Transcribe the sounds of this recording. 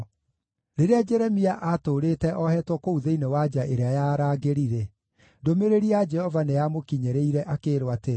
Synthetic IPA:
ɾeɾead͡ʒɛɾɛmiaʔatoːɾetɛʔɔhɛtwɔkouðeinewad͡ʒaʔeɾeajaːɾaːɡeɾiɾɛ | domeɾeɾiad͡ʒɛhɔvanejamokiɲɛɾeiɾɛʔakeːɾwate

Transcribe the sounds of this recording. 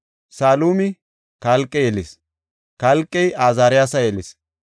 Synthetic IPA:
saːluːmɪ | kalkʼːɛjɛlɪs | kɐlkʼːɛjaːzaːɾɪjaːsɐjɛlɪs

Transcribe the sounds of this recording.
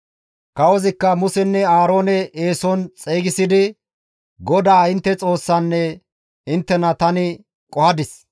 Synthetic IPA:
kɐwɔzɪkːɐmʊsɛnːɛaːɾo̞ːnɛʔeːsɔnt͡sʼeːɡɪsɪd̪ɪ | ɡɔd̪aːɪnt̪ːɛt͡sʼo̞ːsːɐnːɛ | ɪnt̪ːɛnɐt̪ɐnɪ | kʼɔhɐd̪ɪs

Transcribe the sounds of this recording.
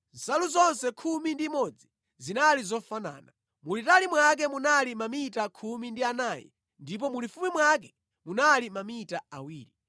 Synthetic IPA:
nzaluzɔnsɛkʰumindimɔd͡zi | zinalizɔfana̰ːna | mulitalimwak̬ɛmunalimamitakʰumindianaːjɛ̰ | ndip̬ɔmulifumimwak̬ɛ̥ | munalimamitaa̰wiːɾi

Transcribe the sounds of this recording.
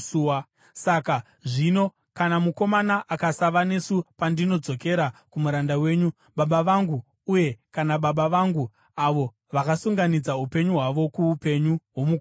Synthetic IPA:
a | saka | ʐino̞ | kanamuko̞manaʔakasaʋane̞supandino̞d͡zo̞ke̞ɾakumuɾandawe̞ːɲu | ɓaɓaʋaŋɡuː | je̞kanaɓaɓaʋaŋɡu | aʋo̞ | ʋakasuŋɡanid͡zaupe̞ɲuɦwaʋo̞kuupe̞ɲuɦwo̞muko

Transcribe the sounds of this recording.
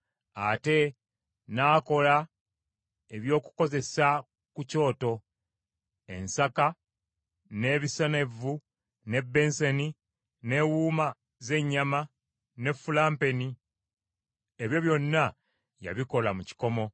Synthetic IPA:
a̰te̞ | naːko̞la | e̞βjo̞ːku̥ko̞ze̞sa | kuco̞ːto̞ | e̞̰nsaka | ne̞ːβisene̞vu | ne̞bːe̞nseni | ne̞ːwuːma | ze̞ɲːama | ne̞fːulaːmpe̞ni | eβjo̞βjo̞nːa | ja̰βiko̞lamuci̥ko̞mo̞

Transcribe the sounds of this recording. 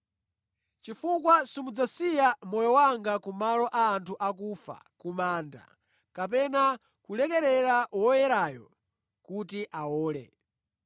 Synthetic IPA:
t͡ʃifukwasumud͡zasijamɔjɔwaŋɡakumalɔʔaːntʰuʔakufa̰kumaːnda̰ | kap̬ɛna | kulɛkɛɾɛɾawɔjɛɾaːjɔ̰ | kutiʔawɔːlɛ̰

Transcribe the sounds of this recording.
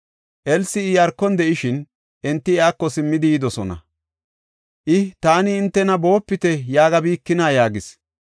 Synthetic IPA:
ʔɛlsɪɪjɐɾkːɔnd̪ɛʔɪʃɪn | ʔɛnt̪ːɪɛaːkːɔsɪmːɪd̪ɪjɪd̪ɔsɔnɐ̰ | ʔɪt̪aːnɪːnt̪ːɛnɐbo̞ːpːɪt̪ɛjaːɡɐbiːkːɪnaːjaːɡɪs

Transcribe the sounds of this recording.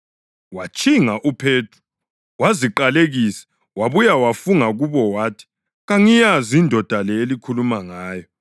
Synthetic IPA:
wat͡ʃʼiŋaʔupʰeːtʰu̥ | waziǃaleɣisɛ̥ | waβujawafuŋaɣuβɔwaːtʰi̥ | ɣaŋijazindʱɔd̥ʱalɛelikʰulumaŋaːjɔ

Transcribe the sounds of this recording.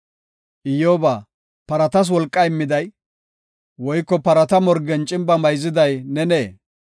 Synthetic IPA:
ʔɪjoːbaː | pɐɾɐt̪ɐs̬wɔlkʼːɐɪmːɪd̪ɐj | wɔjkːɔpɐɾɐt̪ɐmɔɾɡɛnt͡ʃʼɪmbɐmɐjzɪd̪ɐjnɛneː

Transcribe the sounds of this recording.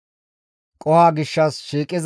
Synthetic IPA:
kʼɔhaːɡɪʃːɐsʃiːkʼɪz

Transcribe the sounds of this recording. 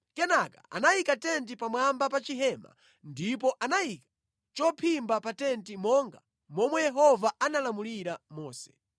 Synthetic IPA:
kɛnakḁ̰a̰najikatɛnt̬ipamwambapat͡ʃiɦɛma̰ | ndip̬ɔʔanajikḁ | t͡ʃɔpʰimbapatɛntimɔŋɡa | mɔmwɛjɛɦɔvaanalamuliɾamɔːsɛ̥

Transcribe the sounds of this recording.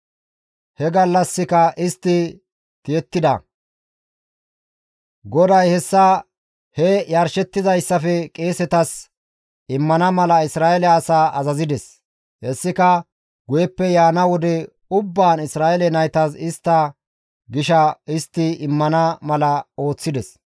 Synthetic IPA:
hɛɡɐlːɐsːɪkɐʔɪst̪ːɪ | t̪ɪjɛt̪ːɪd̪ɐ̰ | ɡɔd̪ɐjhɛsːɐ | hɛjɐɾʃɛt̪ːɪzɐjsːɐfɛkʼe̞ːsɛt̪ɐs | ɪmːɐnɐmɐlɐɪsɾaːɛlɛɐsaːʔɐzɐzɪd̪ɛs | hɛsːɪkɐ | ɡʊjɛpːɛjaːnɐwɔd̪ɛ | ʊbːaːnɪsɾaːʔɛlɛnɐjt̪ɐsɪst̪ːɐ | ɡɪʃɐɪst̪ːɪɪmːɐnɐmɐlɐo̞ːt͡sːɪd̪ɛs

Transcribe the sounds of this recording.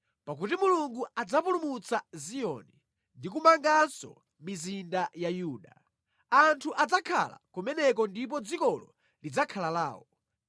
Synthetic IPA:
pak̬utimuluŋɡuad͡zapulumut͡sʰazijɔ̰ni | ndikumaŋɡansɔ̰ | mizindajajuːɗa | antʰuʔad͡zakʰa̰la̰kumɛnɛk̬ɔndip̬ɔd͡zikɔlɔ | lid͡zakʰalala̰ːwɔ

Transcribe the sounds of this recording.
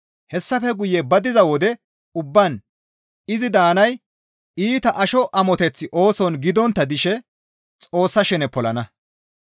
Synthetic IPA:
hɛsːɐfɛɡʊjːɛbɐd̪ɪzɐwɔd̪ɛ | ʊbːɐn | ɪzɪd̪aːnɐj | iːt̪ɐʔɐʃɔʔɐmɔt̪ɛt͡sːɪʔo̞ːsɔnɡɪd̪ɔnt̪ːɐd̪ɪʃɛ | t͡sʼo̞ːsːɐʃɛnɛpɔlɐnɐ

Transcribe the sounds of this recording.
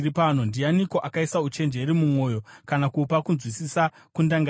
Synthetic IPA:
ɾipano̞ndianiko̞ʔakaisaut͡ʃe̞nd͡ʒe̞ɾimumo̞ːjo̞kanakupakunzwisisa | kundaŋɡa

